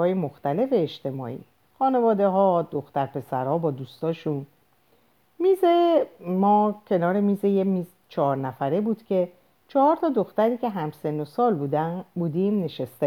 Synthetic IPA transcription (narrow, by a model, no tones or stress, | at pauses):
ɒːjemoxt̪æle̞fe̞ːʃt̪e̞mɒ̰ːḭː | xɒːne̞vɒːd̪e̞ɦɒːd̪o̞xt̪æɾpʰe̞sæɾhɒːbɒːd̪uːst̪ɒːʃun | miːzemɒːcʲʰe̞nɒːɾemiːzejemiz | t͡ʃʰɒːɾnæfæɾebuːd̪̥cʰe̞ | t͡ʃʰɒhɒːɾt̪ʰɒːd̪o̞xt̪æɾiːcʰe̞ɦæmse̞nːosɒːlbuːd̪æbuːd̪iːmne̞ʃest̪e